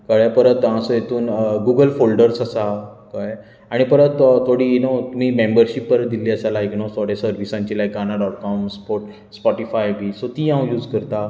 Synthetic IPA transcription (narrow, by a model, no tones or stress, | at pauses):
kəɭjapəɾət̪ãsojet̪uːnɡuɡəlfolɖəɾsəsakaj | aɽ̃ipəɾət̪t̪ʰːoɽiːnot̪um̤iːmẽmbəɾɕipːəɾət̪̚d̪iliːəsalaeknost̪ʰoɽjasəɾʋisãɲt͡ɕilajkanaɖɔʈ̚kɔmspoɾʈ | spɔʈifajbiːsot̪iːãwjuːd͡zkəɾt̪a